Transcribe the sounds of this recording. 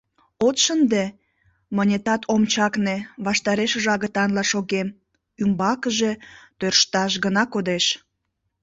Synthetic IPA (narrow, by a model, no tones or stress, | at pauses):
ot̪ʃənd̪e | mənʲet̪ɑt̪ʰomt͡ɕɑkneβɑʃt̪ɑɾeʃəʒɑɣət̪ɑnlɑʃoɣem | ymbɑkəʒe̽t̪ørʃt̪ɑʃ̬ɣənɑkod̪eʃ